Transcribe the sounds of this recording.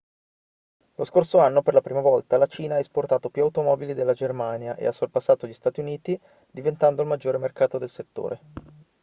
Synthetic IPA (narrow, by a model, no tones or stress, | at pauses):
loskorsoanːoperlapɾiːmavɔlt̪alat͡ʃiːnaaːesport̪aːt̪opjuawt̪omɔːbilid̪elːad͡ʒermaːnjaʔḛasːolpasːaːt̪oʎist̪aːt̪iuniːt̪i | d̪ivent̪and̪oilmad͡ʒːoːɾemerkaːt̪od̪elset̪ːo̰ːɾe